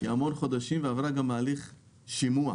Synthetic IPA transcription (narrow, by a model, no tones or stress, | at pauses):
ḭamo̞nχo̞d̪aʃimveavʁaɡamaːliχ | ʃimua̰